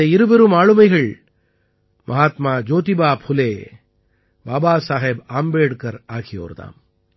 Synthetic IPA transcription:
eiɾubɐɾumaːɭumɐjɣɐɭ | mʔɐɦaːt̪maːd͡ʒoːt̪ibaːphuleː | baːbaːsaːɦebaːmbeːɽkɐɾaːkʰijo̰ːɾd̪a̰ːm

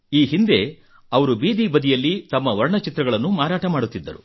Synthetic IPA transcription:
iːɦind̪e̞ | ɐʋɐɾubiːd̪ibɐd̪ijɐlːit̪ɐmːɐʋɐɾɳɐt͡ʃit̪ɾɐɡɐɭɐnːumaːɾaːʈɐmaːɽut̪ːid̪ːɐɾṵ

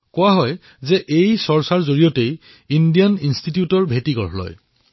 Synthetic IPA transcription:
kʊaɦɔj | zɛʔejsɔɹsaɹzoɹijɔtej | indijaninstitijutɔɹbʱetiɡɔ̰ɹɦlɔ̰j

